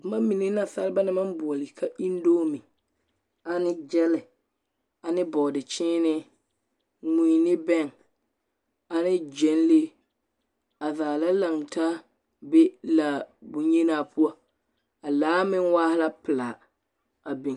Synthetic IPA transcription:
mã˦mmi˨nɪ˦na˨sa˦lɪ˦ba˦nɪ˦ma˦nbʊ˨ɔ˨lɪ˨kʰa˦ʔi˦n˦doː˦mɪ˨ | a˨nɪ˦d͡ʒɛ˦lɪ˨ | a˨nɪ˦bɔ˨dɪ˨t͡ʃɪː˦nɪ˦ | ŋu˨nɪ˦bɛ˦˨ŋ | a˨nɪ˦d͡ʒɛ˨˦n˦le˦ | a˨vaː˨la˦la˨ŋ˨ta˦ | be˦la˨bʊ˨ɲe˦naː˨pʰʊ˦a˦ | a˨laː˨˦mɪ˦ŋwaː˦hɪ˦la˦pɪ˨la˨ | a˨bɪ˨ŋ

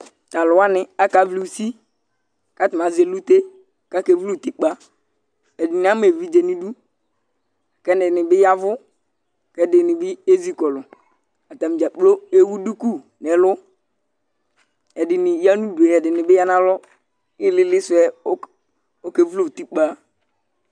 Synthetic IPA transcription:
ta˨lʊ˨a˦nɪ˨a˦ka˨˦vli˨u˨si˦ | ka˦tʊ˨ma˨˦ze˨lu˦te˦ | ka˦ke˨vu˦lu˦˨ti˦k͡pa˦ | ɛ˨dɪ˨n˨a˦m˦e˨vi˦d͡ʒe˨ni˦du˦˨ | kɛ˦nɪ˨nɪ˨bɪ˦ja˦vʊ˦˨ | kɛ˦dɪ˨nɪ˨bɪ˦e˦zi˦kɔ˨lʊ˨ | a˨ta˨m˨d͡ʒa˨k͡plo˦e˦wu˦du˦ku˦ | nɛ˨lʊ˦ | ɛ˨dɪ˨nɪ˨ja˦nu˦du˨e˨ɛ˨dɪ˨nɪ˨bɪ˦ja˦na˦lɔ˦ | ɪ˦lɪ˦lɪ˦sʊ˨ɛ˦o˦ | o˦ke˨˦vu˦lo˦˨ti˦k͡pa˦˨

